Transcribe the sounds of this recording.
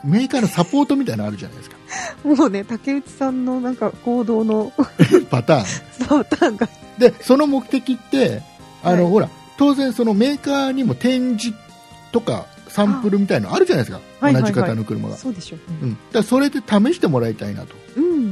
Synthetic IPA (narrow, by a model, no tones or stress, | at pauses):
me̞ːkaːno̞sapo̞ːt̪o̞mit̪ainaɾɯ̟ʑa̰na̰jd̪esɨ̥kḁmoːne̞t̪ake̞ɯ̟t͡ɕi̥sãnːo̞nãŋkako̞ːd̪o̞ːno̞pat̪ãːŋt̪aŋɡa | d̪e̞so̞no̞mo̞kɯ̟̥t̪e̞kʲit̪ːe̞ | anno̞ho̞ɾa̰ | t̪o̞ːzẽ̞ɰ̃so̞no̞me̞ːkaːɲ̟imo̞t̪ẽ̞ɲ̟d͡ʑi | t̪o̞ka̰ | sãmpɯ̟ɾɯ̟mʲit̪ainoaɾɯ̟ʑanajeska̰ | onaʑikat̪ano̞kɯ̟ɾɯ̟̰ma̰ɡ̰a̰soːd̪eɕoɯ̟̃ɴd̪̥aaso̞ɾe̞d̪e̞t̪ame̞ɕi̥t̪e̞mo̞ɾait̪aina̰t̪oɯ̟̃ɴ